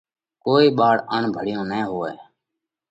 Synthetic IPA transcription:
koːiːɓaːɽəɳbʱəɽ̤ɪjõːnẽːɦoːḛː

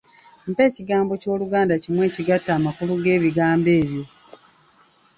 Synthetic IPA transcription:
m̩pe̞ːciɡaːmbo̞co̞ːluɡaːndacimwe̞ːciɡatːaːmakuluɡe̞ːβiɡaːmbe̞ːβjo̞

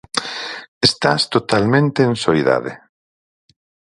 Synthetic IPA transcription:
est̪ast̪ot̪almẽnt̪ẽːnsoiða̰ðḛ

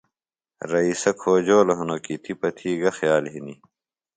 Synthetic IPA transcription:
ɾɐisɐkʰoːd͡ʑoːlɐɦɐnoːkit̪ʰipɐt̪ʰiːɡɐxjaːlɦini

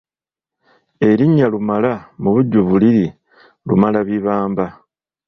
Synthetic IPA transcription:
e̞ɾiɲːalumalamuβuɟːuβuliɾi | lumalaβiβaːmba

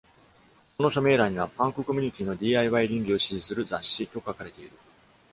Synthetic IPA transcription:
ko̞no̞ɕo̞me̞ːɾaɲ̟iβapãŋkɯ̟ko̞mʲi̟ɲ̟it̪ʲiːno̞d̪ʲiːaiβaiɾʲĩŋɡʲio̞ɕiʑisɨɾɯ̟zaɕːit̪o̞kakaɾe̞t̪e̞iɾɯ̟

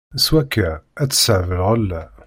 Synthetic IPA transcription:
swækːææt͡sːə̥səʕvəlʁəlːæ

